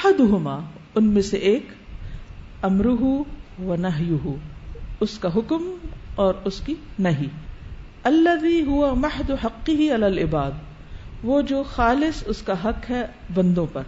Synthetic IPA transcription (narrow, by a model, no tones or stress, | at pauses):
ɐħad̪ʊɦʊmaː | ʊnmẽseʔeːk | ɐmɾʊɦuʋɐnɐɦjʊɦuʊskaɦʊkmɔːɾʊskinɐɦiː | ɐlːɐðiːɦʊwɐmɐħd̪ʊɦɐqːɪɦiɐlaːlɪbaːd̪̚ | ʋoːd͡ʒoːxaːlɪsʊskaɦɐkɦɛ | bɐ̃nd̪õpɐɾ